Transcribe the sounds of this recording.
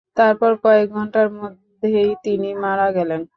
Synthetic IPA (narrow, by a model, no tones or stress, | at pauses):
t̪aɾpɔɾkɔek̚ɡʱɔɳʈaɾmod̪ʱːejt̪inimaɾaɡɛlen